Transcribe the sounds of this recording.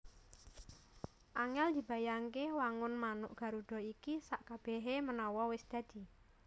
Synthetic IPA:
ʔaŋɛld̪̥i̤b̥a̤jaŋkewaŋʊnmanʊ̰ʔɡ̥a̤ɾuɖ̪̥ɔ̤ikisaʔkab̥ɛ̤ɦemənɔwɔwɪsd̪̥a̤d̪̥i̤

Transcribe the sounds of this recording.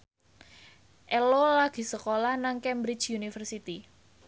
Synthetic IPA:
ʔɛlolaɡ̥i̤səkolahnaŋkɛmbɾit͡ʃjunifərsit̪i

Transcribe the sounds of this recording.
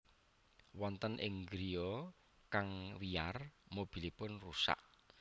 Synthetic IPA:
wɔnt̪ənʔɪŋɡɾiɔ | kaŋwiarmob̥i̤lipʊnrusa̰ʔ

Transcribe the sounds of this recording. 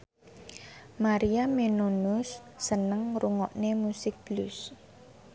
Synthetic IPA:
maɾiamenonʊsːənəŋruŋɔʔnemusɪk̚b̥lʊs

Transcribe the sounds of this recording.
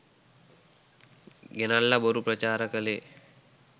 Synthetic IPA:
ɡenalːɐboɾupɾɐt͡ʃaːɾəkəle

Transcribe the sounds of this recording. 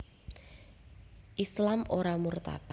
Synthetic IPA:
ʔislamoɾamurt̪a̰t̪

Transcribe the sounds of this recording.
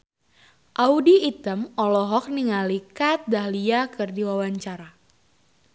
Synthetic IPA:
ʔaudiːt̪əmɔlɔɦɔk̚niŋalikat̪̚dahliakɨrdiwawaɲt͡ʃaɾa

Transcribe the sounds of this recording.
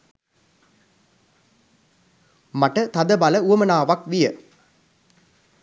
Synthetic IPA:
mɐʈɐt̪ɐd̪ɐbɐlɐuɐmɐnaːʋɐkʋɪjɐ

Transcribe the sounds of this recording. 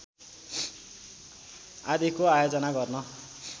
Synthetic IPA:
ad̪ikoajod͡zʌnaɡʌrnʌ

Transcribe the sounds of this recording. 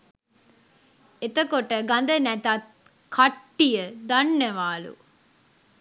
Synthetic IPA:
et̪əkoʈəɡand̪ənɛt̪ɐt̪̚ | kʰaʈːijəd̪anːeʋaːlṵ

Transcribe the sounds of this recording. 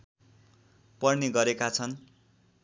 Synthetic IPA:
pʌrneɡʌɾekat͡sʰʌn

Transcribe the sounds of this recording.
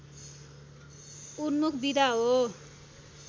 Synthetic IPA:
unmukʰbid̪ʱaɦo

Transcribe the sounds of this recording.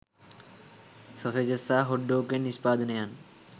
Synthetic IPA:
sɔsed͡ʑesaɦoɖːokeniʃpad̪nejan

